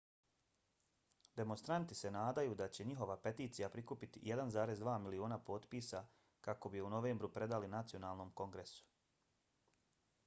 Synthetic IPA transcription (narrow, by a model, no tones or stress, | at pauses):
d̪e̞monst̪ɾant̪i̥se̞naːd̪ajuːd̪at͡ɕe̞ɲiɦo̞ʋape̞t̪iːt̪sijapɾikupit̪ijed̪anzaːɾe̞zd̪ʋaːmilio̞ːnapo̞ːt̪piːsa | kako̞bijuno̞ʋeːmbɾupɾe̞d̪alinat̪sio̞naːlˠno̞ːmko̞ŋɡɾe̞su̥